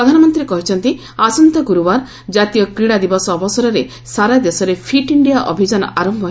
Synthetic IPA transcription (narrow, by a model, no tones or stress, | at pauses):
ɾɔd̪ʱanɔmɔnt̪ɾiekɔɦit͡ʃʰɔnt̪i | asɔnt̪ɔɡuɾuwaɾ | d͡ʒat̪ijɔkɾiɽad̪ibɔsɔːbɔsɔɾɔɾe | saɾad̪esɔɾepʰiʈiɳɖijaʔɔ̰bʱid͡ʒanɔ̰ʔaɾɔmbʱɔ